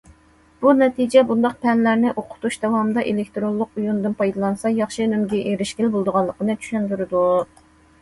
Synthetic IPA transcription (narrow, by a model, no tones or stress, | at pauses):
b̥unɛt̪ʰid͡ʒɛbund̪ɑqpʰɛnlæɾnɪʔoqʰʊ̥t̪uʃd̪ɛwɑmɨd̪ɑʔelɪk̚ʲt̪ɾolˠːʊqujund̪ɨnpʰɑjd̪ɑlˠɑnsɑjɑχʃɨnymɡʲɛʔeɾɪʃɡʲɪlbolˠd̪əʁɑlˠːəqənɨt͡ʃʰy̥ʃynd̪yɾɪd̪u